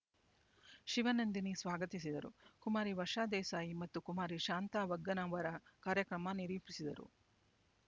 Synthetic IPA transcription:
ʃiʋɐnɐnd̪inisʋaːɡɐt̪isid̪ɐɾṵkumaːɾiʋɐʂaːd̪ɛːsaːjimɐt̪ːukumaːɾiʃaːnt̪aːʋɐɡːɐnɐʋɐɾɐkaːɾjɐkɾɐmɐniɾiːpisid̪ɐɾṵ

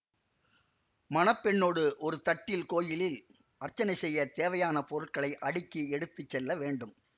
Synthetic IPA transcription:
mɐnɐpːɛɳːoːɽɯʔɔɾɯt̪ɐʈːɪlkoːjɪlɪl | ʔɐrt͡ʃːɐnɐɪsɛjːɐt̪eːʋɐjaːnɐpɔɾɯɭkɐɭɐɪʔɐɽɪkːiɛɽɯt̪ːɯt͡ʃːɛlːɐʋeːɳɖɯm

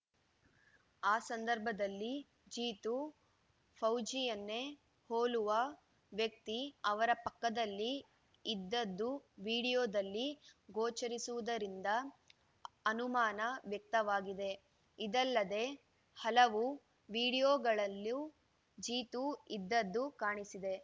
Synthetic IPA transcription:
aːsɐnd̪ɐɾbʱɐd̪ɐlːi | d͡ʒiːt̪u | pʰɐwd͡ʒijɐnːe̞ | hoːluʋɐ | ʋjɐk̚t̪iɐʋɐɾɐpɐkːɐd̪ɐlːiː | d̪ːɐd̪ːuʋiːɽijoːd̪ɐlːiɡoːt͡ʃɐɾisuʋud̪ɐɾind̪ɐ | ɐnumaːnɐʋjɐk̚t̪ɐʋaːɡid̪e̞ | id̪ɐlːɐd̪e̞ | hɐlɐʋu | ʋiːɽijoːɡɐɭɐlːu | d͡ʒiːt̪uid̪ːɐd̪ːukaːɳisid̪e̞

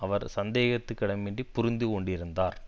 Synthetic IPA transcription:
ɐʋɐɾsɐnd̪eːɣɐt̪ːɯkːɪɽɐmːeːɳɖipːʊɾɪnd̪ikɔɳɖɪɾɯnd̪aːɾ

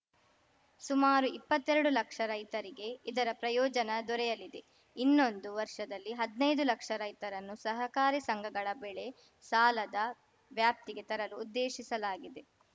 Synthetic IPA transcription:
sumaːɾuipːɐt̪ːɛɾɐɽulɐkʂɐɾɐjt̪ɐɾiɡe̞id̪ɐɾɐpɾɐjɔːd͡ʒɐnɐd̪ɔɾɛjɐlid̪e̞ | inːo̞nd̪uʋɐɾʂɐd̪ɐlːiɦɐd̪nɐjd̪ulɐkʂɐɾɐjt̪ɐɾɐnːusɐɦɐkaːɾisɐŋɡʱɐɡɐɭɐbɛɭe̞ | saːlɐd̪ɐ | ʋjaːp̚t̪iɡe̞t̪ɐɾɐluːd̪ːeːʃisɐlaːɡid̪e̞

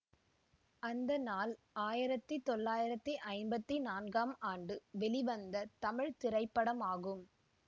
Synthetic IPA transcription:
ɐnd̪ɐnaːl | aːjɪɾɐt̪ːit̪ɔɭːaːjɪɾɐt̪ːiʔɐɪnbɐt̪ːinaːnɡaːmaːɳɖɯʋɛɭɪʋɐnd̪ɐt̪ɐmɪɻt̪ɪɾɐɪpːɐɽɐmaːɣɯm

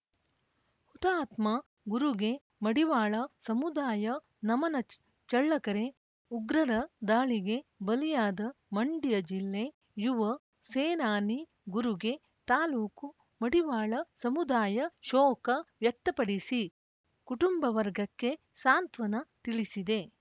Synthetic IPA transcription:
hut̪aːt̪mɐ | ɡuɾuɡe̞ | mɐɽiʋaːɭɐsɐmud̪aːjɐ | nɐmɐnɐ | t͡ʃɐɭːɐkɐɾe̞ | uɡɾɐɾɐd̪aːɭiɡe̞bɐlijaːd̪ɐmɐɳɖijɐd͡ʒilːe | juʋɐ | seːnaːni | ɡuɾuɡe̞ | t̪aːluːku | mɐɽiʋaːɭɐsɐmud̪aːjɐʃɔːkɐʋjɐk̚t̪ɐpɐɽisi | kuʈumbɐʋɐɾɡɐkːe̞ | saːnt̪ʋɐnɐt̪iɭisid̪e̞

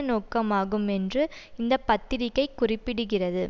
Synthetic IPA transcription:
noːkːɐmaːɣɯmɛndrɯɪnd̪ɐpɐt̪ːɪɾɪkːɐɪkːʊrɪpːɪɽɯɣɪrɐðɯ

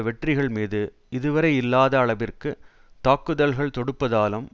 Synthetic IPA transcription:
ʋɛʈrɪɣɐɭmiːðɯ | ʔɪðɯʋɐɾɐɪɪlːaːðɐːɭɐʋɪrkɯ | t̪aːkːɯðɐlɣɐɭt̪ɔɽɯpːɐðaːlɯm

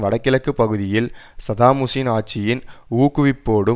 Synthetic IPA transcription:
ʋɐɽɐkːɪlɐkːɯpːɐɣɯðɪjɪl | sɐðaːmʊsinaːt͡ʃːɪjɪnuːkːɯʋɪpːoːɽɯ

